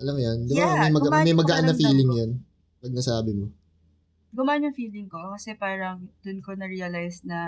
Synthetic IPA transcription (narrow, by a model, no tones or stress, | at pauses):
ʔɐlɐmjɐnd̪ɪbamɐjmɐɡmɐjmɐɡɐʔanːɐfiːlɪŋjon | pɐɡ̚nɐsaːbɪmo | ɡʊmaːnjʊŋfiːlɪŋkokɐsɛpaːɾɐŋd̪̥ʊnkonɐɹiːɐlajsnɐ